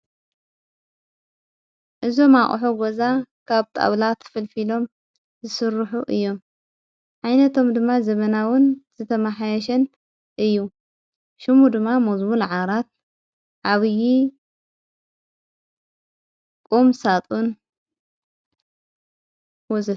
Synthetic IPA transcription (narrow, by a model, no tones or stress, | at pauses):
ʔɨzo̞maχʼħoɡozakʰaβt̪ʼa̰βlat̪ʰɐ̥fɨlfilo̞m | zɨsɨɾħuʔɨjːo̞m | ʕajnɐt̪ʰo̞md̪ɨmːazɐβɐnawʊnz̥ɨt̪ʰɐmaħajɐʃɐn | ʔɨjːu | ʃumud̪ɨmːamozmulʕaɾat̪̚ | ʕaβɨji | kʼumsat̪ʼun | wɔzɨ